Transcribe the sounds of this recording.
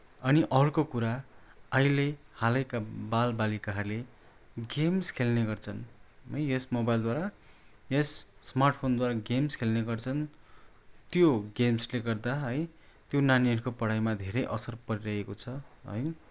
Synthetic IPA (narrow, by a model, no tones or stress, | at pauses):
ʌniʔʌɦurkokuɾaʌilehalʌjkabalbalikaɦʌrle | ɡemskʰelneɡʌrt͡sʰʌnɦʌjjʌsmobajld̪waɾa | jʌsːmarʈ̚pʰond̪waɾaɡemskʰelneɡʌrt͡sʰʌn | t̪joɡemsleɡʌrd̪aɦʌj | t̪jonaniʌɾukopʌɽajmad̪ʱeɾʌjʔʌsʌrpʌɾiɾʌɦekot͡sʰʌɦʌ̰j